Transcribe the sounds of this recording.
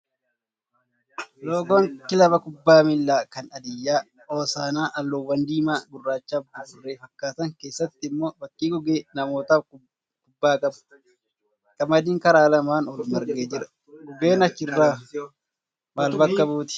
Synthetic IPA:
loːɡoŋkɪlɐbɐkʊbːaːmɪlːaːkɐnɐd̪ɪjːaː | oːsaːnaːʔɐlːoːwːɐnd̪iːmaːɡʊrːaːt͡ʃːaːbd̪ʊrːe̞ːfɐkːaːt̪ɐŋke̞ːsːɐt̪ːɪɪmːoːbɐkʼːiːɡʊɡeːnɐmo̞ːt̪aːb | kʊbːaːkʼɐbʊ̥ | kʼɐmɐd̪iːŋkɐɾaːlɐmaːnɔlmɐɾɡeːd͡ʒɪɾɐ | ɡʊɡeːnɐt͡ʃːɪrːaː | maːlbɐkːɐbuːt̪ɪ̥

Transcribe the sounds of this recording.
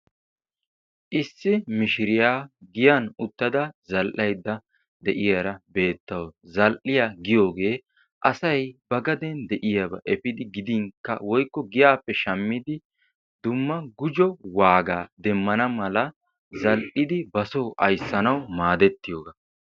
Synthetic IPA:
ʔɪsːɪmɪʃɪɾɪjaːɡɪjanʊt̪ːɐd̪ɐzɐlʔɐjd̪ːɐ | d̪ɛʔɪjɐɾɐbe̞ːt̪ːɐwzɐlʔɪjaːɡɪjo̞ːɡe̞ː | ʔɐsɐjbɐɡɐd̪ɛnd̪ɛʔɪjɐbɐ̰ʔɛpɪd̪ɪɡɪd̪ɪŋkːɐ̰wɔjkːɔɡɪjaːpːɛʃɐmːɪd̪ɪ | d̪ʊmːɐɡʊd͡ʒɔwaːɡaːd̪ɛmːɐnɐmɐlɐ | zɐlʔɪd̪ɪbɐsowʔɐjsːɐnɐwmaːd̪ɛt̪ːɪjo̞ːɡa

